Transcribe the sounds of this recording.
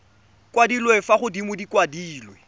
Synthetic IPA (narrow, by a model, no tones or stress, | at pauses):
kwadilwefaχʊdimʊdikʼwadiːlwe